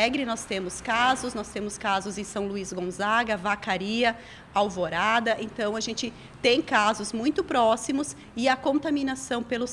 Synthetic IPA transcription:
ɛɡɾɪnɔst̪ẽmʊskazʊsnɔst̪ẽmʊskazʊzẽsɐ̃w̃luizɡõzaɡɐvakaɾiɐ | awvoɾad̪ɐʔẽnt̪ɐ̃w̃aʒẽnt͡ʃɪ | t̪ẽj̃kazʊzmũj̃t̪ʊpɾɔsimʊs | ɪɐkõnt̪amĩnasɐ̃w̃pelʊs

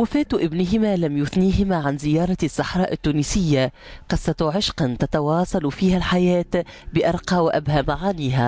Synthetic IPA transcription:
wafæːt̪ʔɪbnɪɦɪmaːlamjʊθniːɦɪmaʕanzɪjɑːɾˤɑsːɑħɾˤɑːʔɪt̪ːuːniːsɪjːa | qɑsˤɑt̪ʕɪʃqɑnt̪at̪ɑwɑːsˤɑlfiːhalħajæːt̪bɪʔɑɾˤqɑːwɪʔa̰bhamaʕaːniːɦa

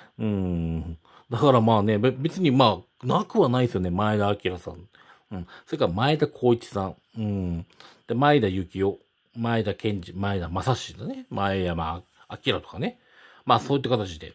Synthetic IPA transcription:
ɯ̟̃ɴ | d̪akaɾamaːne̞bbe̞t͡sɨɲ̟imaː | nakɯ̟βanaisɨjo̞ne̞maed̪aːkʲiɾasã̰n | ɯ̃ɴso̞ɾekːaɾamaed̪akʰo̞ːit͡ɕi̥sãŋ | ɯ̃ɴd̪̥emaed̪ajɯ̟kʲio̞ | maed̪akʰẽ̞ɲ̟d͡ʑimaed̪amasaɕid̪anemaedama | akʲiɾat̪okane̞ | maːso̞ːit̪ːakat̪at͡ɕid̪e̞̰

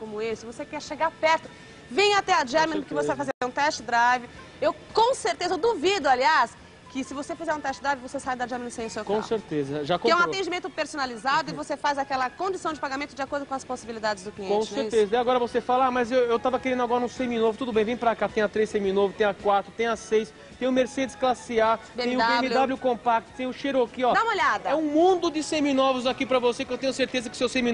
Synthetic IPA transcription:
kõmʊesɪvosekɛɾʃeɡaɾpɛɾt̪ʊ | vẽj̃at̪ɛad͡ʒiamenʊkɪvosevajfazeɾat̪ɛũt̪ɛst͡ʃɪd̪ɾajvɪ | ewkõw̃seɾt̪ezɐewd̪uvid̪ʊalias | kɪsɪvosefizɛɾũt̪ɛst͡ʃɪd̪ɾajvɪvosesajd̪ɐd͡ʒiamenʊsẽj̃ʊsewkõseɾt̪ezɐʒakõɛũat̪ẽd͡ʒimẽnt̪ʊpeɾsonalizad̪ʊɪvosefazakɛlɐkõd͡ʒisɐ̃w̃d͡ʒɪpaɡamẽt̪ʊd͡ʒɪakoɾd̪ʊkõɐsposibilid̪ad͡ʒɪzd̪ʊkliẽõt͡ʃseɾezɐd̪ɛaɡɔɾɐvosefalɐamɐzewewt̪avɐkeɾẽnd̪ʊaɡɔɾɐũsẽminovʊt̪ud̪ʊbẽj̃vẽj̃pɾakat̪ẽj̃ɐt̪ɾesẽmĩnovʊt̪ẽj̃ɐkwat̪ɾʊt̪ẽj̃ɐsejs | t̪ẽj̃ʊmeɾsed̪ɪsklasiabẽẽj̃ʊɡẽmɪd̪abljʊkõpak̚t̪ʊ̥t̪ẽj̃ʊʃeɾokiɔd̪aũmoʎjad̪ɐɛũmũd̪ʊd̪ɪsẽminɔvʊzakipɾɐvosekɪewt̪ẽɲ̃ʊseɾt̪ezɐkɪ̥sewsẽmi

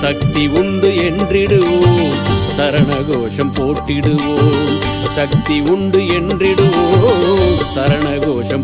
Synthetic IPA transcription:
sɐk̚t̪iʊɳɖɯɛndrɪɽɯʋoːmsɐɾɐɳɐɣoːʂɐmpoːʈːɪɽɯʋoːsɐk̚t̪iʊɳɖɯɛndrɪɽɯʋoː | sɐɾɐɳɐɣoːʂɐm

